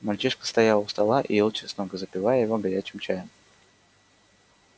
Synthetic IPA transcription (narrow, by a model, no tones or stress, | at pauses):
mɐlʲt͡ɕiʂkə̥st̪ɐjalˠəfst̪ɐlˠaʔḭelˠt͡ɕɪsnoɡəzəpʲɪvajəjɪvoɡɐɾʲæt͡ɕɪmt͡ɕæjəm